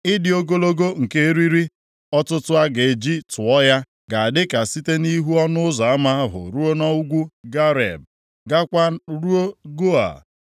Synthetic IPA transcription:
ɪ˦dɪ˨o˦ɡo˦lo˦ɡo˦ŋ̩˨ke˦ɾi˦ɾi˦ | ɔ˦tʊ˦tʊ˦a˦ɡe˨e˨d͡ʒi˦tʊ˨ɔ˦ja˦ | ɡa˨a˨dɪ˦ka˨si˦te˦ni˦ɦu˦ɔ˦nʊ˦ʊ˦za˨a˦ma˦a˦ɦʊ̰˨ɾu˦o˦nɔ˦u˦ɡʷu˦ɡa˦ɾḛ˨b̚ | ɡa˦kʷa˦ɾu˦o˦ɡo˦a̰˨

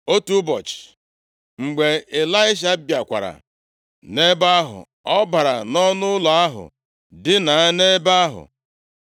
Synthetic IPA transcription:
o˦tu˦bɔ˨t͡ʃɪ̥˨ | ŋ͡m̩˨ɡ͡be˨ɪ˨la˦ɪ˦ʃ̬a˦bja˨kʷa̰˨ɾa̰˨ | ne˦ba˦a˦ɦʊ̰˨ | ɔ˦ba˨ɾa̰˨nɔ˦nʊ˦la˨a˦ɦʊ̰˨ | dɪ˦na˨a˦ne˦ba˦a˦ɦʊ̰˨

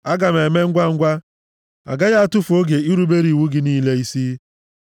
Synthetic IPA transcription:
a˦ɡa˨me˨me˦ŋ̩˦ɡʷa˦ŋ̩˦ɡʷa˦ | a̰˨ɡa˦ja˦a˦˨tʊ˦fo˦ɡe˨i˦ɾu˦be˦ɾi˨wu˦ɡɪ˨niː˦le˦i˦si˦

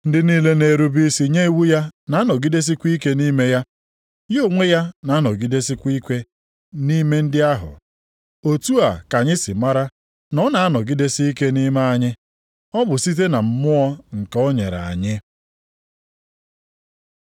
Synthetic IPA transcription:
n̩˦dɪ˦niː˦le˦ne˨ɾu˦bi˦si˨ɲe˦i˦wu˦ja˦na˨a˦nɔ˨ɡi˦de˦s̬i˦kʷi˦ke˦ni˦me˦ja˦ | jo˦˨ŋʷe˦ja˦na˨a˦nɔ˨ɡi˦de˦si˦kʷi˦kʷe˦ | ni˦me˦n̩˦dɪ˦a˦ɦʊ̰˨ | o˨tu˦a˨ka˨ɲɪ˦sɪ˨ma˦ɾa˦ | nɔ˦na˨a˦nɔ˨ɡi˦de˦si˦i˦ke˦ni˦me˦a˨ɲɪ˦ | ɔ˦bʊ˨si˦t̬e˦na˨m̩˦mʊ˦ɔ˦ŋ̩˨kɔ˦ɲḛ˨ɾa̰˨a̰˨ɲɪ˦

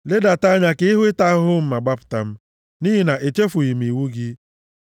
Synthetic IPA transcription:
le˦da˨ta˦ɲa˦kɪ˦i˦ɦʊ˦ɪ˦ta˦ɦʊ˦m̩˦ma˨ɡ͡ba˦pʊ̥˨ta˨m̩˦ | ni˦ɦi˦na˨ʔe˨t͡ʃe˦fʊ˨i˨m̩i˨wu˦ɡɪ˦

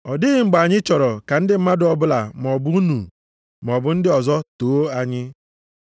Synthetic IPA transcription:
ɔ˨dɪ˦ɪ˨ŋ͡m̩˨ɡ͡ba˨ɲɪ˦t͡ʃɔ˨ɾɔ˨ka˨n̩˦dɪ˦m̩˦ma˦dʊ˦ɔ˨bʊ˦la˨m˨ɔ˨bʊ˦u˦nu˨ | m˨ɔ˨bʊ˦n̩˦dɪ˦ɔ˨zɔ˦to˨˦a˨ɲɪ˦

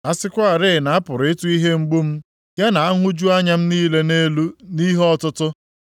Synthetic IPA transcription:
a˦sɪ˦kʷa˦a˨ɾɪ˦˨na˨a˦pʊ˨ɾɪ˦tu˦i˦ɦe˦ŋ͡m̩˦ɡ͡bu˦m̩˦ | ɡe˦na˨a˦ŋʷʊ˦d͡ʒu˦a˦ɲa˦m̩˦niː˦le˦ne˦lu˦ni˦ɦɔ˦tʊ˦tʊ˦

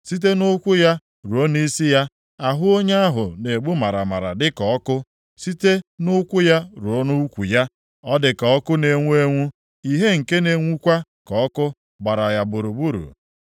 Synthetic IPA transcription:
si˦t̬e˦nʊ˦kʷʊ˦ja˦ | ɾu˨o˦n˦i˦si˦ja˦ | a˨ɦʊ˦o˦ɲe˦a˦ɦʊ̰˨ne˨ɡ͡bu˦ma˨ɾa˨ma˨ɾa̰˨dɪ˦kɔ˨ɔ˦kʊ˦ | si˦te˦nʊ˦kʷʊ˦ja˦ɾu˨o˦nu˦u˦kʷu˨ja˦ | ɔ˦dɪ˨kɔ˨ɔ˦kʊ˦ne˨ŋʷu˦e˦ŋʷu˦ | i˨ɦe˦ŋ̩˨ke˦ne˨ŋʷu˦kʷa˦ | kɔ˨ɔ˦kʊ˦ | ɡ͡ba˨ɾa˨ja˨bʊ˨ɾu˨bu˦ɾṵ˨

